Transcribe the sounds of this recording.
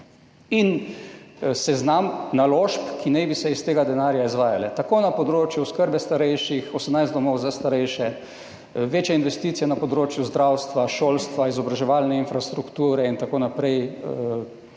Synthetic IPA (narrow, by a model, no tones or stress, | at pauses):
in | sɛznamnaloʃpkʰinɛjbisɛist̪eːɡad̪ɛnaːɾjaizʋaːjalɛt̪akoːnapɔd̪ɾoːt͡ʃjuskəɾbɛst̪aɾɛjʃixɔsəmnajzd̪d̪ɔmɔwzast̪aɾɛjʃɛ | ʋeːt͡ʃjɛinʋɛst̪iːt̪sijɛnapɔd̪ɾoːt͡ʃjuzd̪ɾawst̪ʋaʃoːlst̪ʋaizɔbɾaʒɛʋalnɛinfɾast̪ɾukt̪uːɾɛint̪akoːnapɾɛj